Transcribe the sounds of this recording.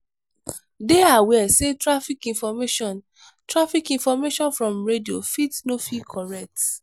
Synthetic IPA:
deawɛsetɹafikĩnfɔmeʃɔ̃n | tɹafikĩnfɔmeʃɔ̃nfɹɔ̃mɹedio̰fitnofikʰɔɹɛk̚t

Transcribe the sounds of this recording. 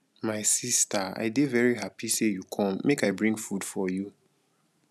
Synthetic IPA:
maɪsistaa̰ɪdevɛɹiɦapisejukʰɔ̃mːekaɪbɹĩŋɡfud̥fɔju

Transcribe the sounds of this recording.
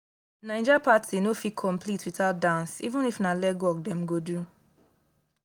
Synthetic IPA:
naɪ̃d͡ʒapatʰinofikʰɔ̃mplitwitaʊt̚dãnsḭvũnifnalɛɡwɔk̚dɛ̃mɡodu

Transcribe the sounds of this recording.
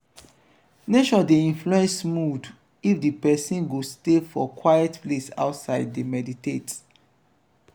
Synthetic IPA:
neʃɔdeĩnfluɛ̃nsmud | ifdipɛsĩnɡostefɔkwajɛtplesa̰ʊtsaɪddemɛditet

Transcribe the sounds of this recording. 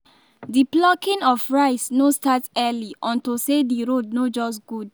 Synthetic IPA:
diblɔkĩnɔfɹaɪsnostatɛliʔɔ̃ntosediɹod̚nod͡ʒɔsɡud

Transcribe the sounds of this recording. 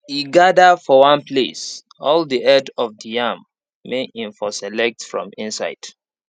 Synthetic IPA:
iɡadafɔwãnplḛs | ɔldiʔɛdɔvdijãmː | eʔĩɱfɔsɛlɛk̚tfɹɔ̰̃mĩnsa̰ɪd̥

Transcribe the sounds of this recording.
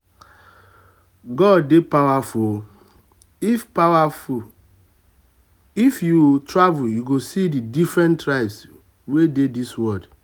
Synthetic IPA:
ɡɔdːepawafu | fpawaf | ifjutɹavuljuɡosididifɹɛ̃ntɹaɪbs | wedediswɔd

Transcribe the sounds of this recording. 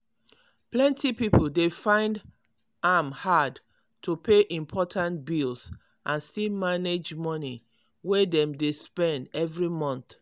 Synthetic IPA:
plɛ̃ntʰipipol̩defãɪ̃nd | amhad | tʰupʰeʔĩmpʰɔtʰãntbils | ʔãnstilmaned͡ʒmɔni | wedɛ̃mdespɛ̃ndɛvɹimɔ̃nθ

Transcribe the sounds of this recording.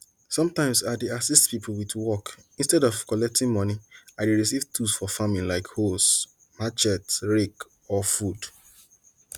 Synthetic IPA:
sɔ̃mtãɪ̃msadeasistpipʰl̩witwɔk | ĩnstɛdɔvkɔlɛk̚tĩŋmɔ̃niaɪdeɹisivtʰusfɔfamĩnlaɪkhos | mat͡ʃɛtɹek | ɔfud

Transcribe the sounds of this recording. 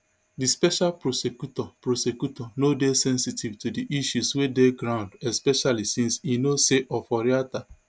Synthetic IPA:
dispɛʃalpɾosekutɔpɾosekjutɔnodesɛ̃nsitivtudiʔiʃuswedeɡɾãʊ̃ndɛspɛʃalisĩnsinoseʔɔfɔɾiata

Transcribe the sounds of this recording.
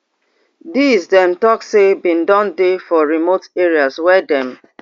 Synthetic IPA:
dizdɛ̃mtɔksebĩndɔ̃ndefɔɹimoteɹiazwɛdɛ̃m

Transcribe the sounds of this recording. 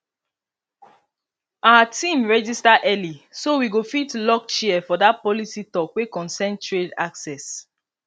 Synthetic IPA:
awatĩmɹɛd͡ʒistaʔɛlisowiɡofitlɔk̚t͡ʃiɛfɔdat̚pɔlisitɔkwekɔ̃nsɛ̃ntɹedaksɛs

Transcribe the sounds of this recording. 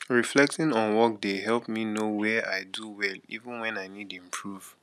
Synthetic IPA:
ɹiflɛk̚tɪ̃nɔ̃nwɔk̚deɦɛlˠpminowɛʔaɪduwɛlḭvə̃nwɛ̃naɪnidĩmpʰɹuv̥

